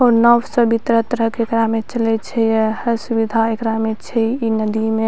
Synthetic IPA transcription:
onəʋsəbit̪ɾəɦt̪əɾəɦkekɾamet͡ʃəlɛt͡ʃʰɛjehəsubid̪ʱaekɾamet͡ʃʰɛinəd̪ime

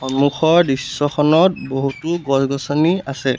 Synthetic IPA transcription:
xɔmuxɔɹdisːɔkʰɔnɔt̚boɦutuɡɔsɡɔsɔniasɛ

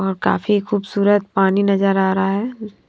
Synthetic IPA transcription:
ɔːɾka̰ːfixuːbsuːɾət̪̚paːninɐzəɾaːɾaɦɛː

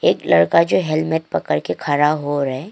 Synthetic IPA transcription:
eːklɐɽkad͡ʒoːɦɛlmeʈ̚pɐkəɾkekʰɐɾaɦoɾɐɦɛ

